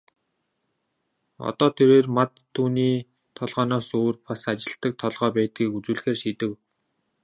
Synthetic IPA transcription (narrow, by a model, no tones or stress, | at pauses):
ɔ̰t̪ɔːt̪ʰeɾeːrmat̪ʰːuːniː | t̪ʰɔɮʁɔːnɔːsoːrpasat͡ɕɪ̆ɬt̪ə̆k̚t̪ʰɔɮʁœːpæːt̪̚ɡiːkut͡suːɮ̆xeːrʃit̪ɘ̆w